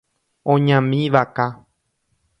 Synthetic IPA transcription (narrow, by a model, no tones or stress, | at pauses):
õɲãmĩʋaka